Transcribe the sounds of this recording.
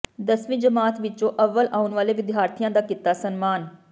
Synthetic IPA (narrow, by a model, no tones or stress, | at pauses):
d̪əsʋĩːd͡ʒəmaːt̪ʋɪt͡ʃõːʔəʋːəlʔaːʊnʋaːleːʋɪd̪ɪɦaːɾt̪ʰijãːd̪aːkɪt̪ːaːsənmaːn